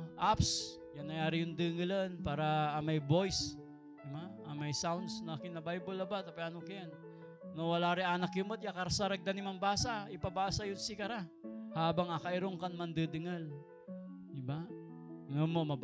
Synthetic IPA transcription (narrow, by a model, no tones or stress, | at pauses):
ʔaps | janːɐjaːɾɪjʊŋd̪ɨŋɨlanpaːɾɐːmɐjbojs | d̪ɪbaɐmɐjsawnd̪snɐakɪnːɐbajbolɐbat̪ɐpɛaːnokɪjanː | owɐlaɾɪanɐkjʊmot̪̚jakɐɾasɐɾɐɡ̚d̪anɪmɐŋbaːsaɪpɐbaːsɐjʊnsɪkɐɾahaːbaŋakɐʔɪɾoŋkɐnmɐnd̪ɨd̪ɪŋal | d̪ɪba | ŋomomɐb